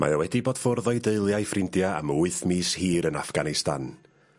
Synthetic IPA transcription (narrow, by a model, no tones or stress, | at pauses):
mʔa̰jawɛdiboːd̥fʊrðɔɨdeɨlˠjajfrɪndjaa̰muːɨθmiːshiːɾənafɡ̥anɪsta̰n